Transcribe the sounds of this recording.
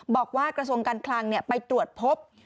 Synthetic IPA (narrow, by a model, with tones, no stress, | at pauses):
bɔː˨˩k̚waː˥˩kɾa˧s̬u˧əŋkaː˧nkʰlaː˧ŋni˥˩əpa˧jt̪ɾu˨˩ət̪̚pʰo˦˥p̚